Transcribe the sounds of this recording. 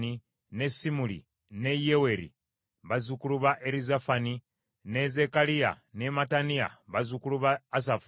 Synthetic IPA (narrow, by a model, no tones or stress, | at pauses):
i | nesimulḭ | ne̞jewe̞ɾḭ | βazukuluβaʔeɾizafani | ne̞ze̞kalija̰ | nematanija̰βazukuluβaːs̬af